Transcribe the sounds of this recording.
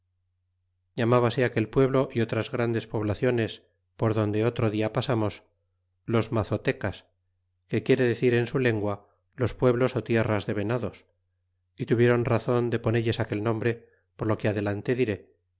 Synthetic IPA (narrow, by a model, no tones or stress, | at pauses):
jamaβase̞ake̞lpwe̞βlo̞ʔio̞t̪ɾazɣɾand̪e̞spo̞βlaθjo̞ne̞s | po̞ɾðo̞nd̪e̞o̞t̪ɾo̞ðiapasamo̞s | lo̞zmaθo̞t̪e̞kas | ke̞kje̞ɾe̞ðe̞θiɾe̞nsule̞ŋɡwa | lo̞spwe̞βlo̞so̞t̪je̞razðe̞βe̞naðo̞s | it̪uβje̞ɾo̞nraθo̞nd̪e̞po̞neʎesake̞lnõ̞mbɾe̞ | poɾlo̞keaðe̞lant̪e̞ðiɾe̞